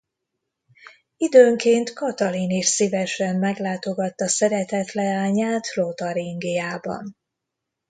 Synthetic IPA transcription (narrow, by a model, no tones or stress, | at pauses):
id̪øːŋkeːnt̪kɒt̪ɒliniʃsivɛʃɛmːɛɡlaːt̪o̞ɡɒt̪ːɒsɛɾɛt̪ɛt̪lɛaːɲaːt̪lot̪ɒɾiŋɡijaːbɒ̰n